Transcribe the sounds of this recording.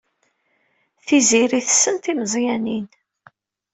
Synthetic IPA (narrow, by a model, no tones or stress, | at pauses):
θiziɾiθə̥sːənt̪iməzˤjænin